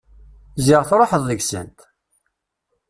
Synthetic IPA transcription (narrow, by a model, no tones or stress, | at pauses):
zɪʁθɾˤoħəðˤðəʝsə̰nt̪